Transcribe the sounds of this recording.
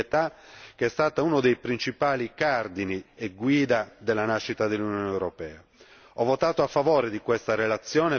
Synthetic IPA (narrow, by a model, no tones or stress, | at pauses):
t̪akeɛst̪aːt̪aunod̪ejpɾint͡ʃipaːlikard̪inieɡwiːd̪ad̪elːanaʃːit̪ad̪elːunjɔːnewɾɔpɛːa | ɔvːot̪aːt̪oafːavɔːɾed̪ikwest̪arelat̪sːjɔːne